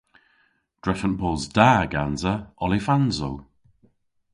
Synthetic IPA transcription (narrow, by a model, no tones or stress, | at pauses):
d̥ɹɛfənbɔːzdaːɡanzəɔlifanzow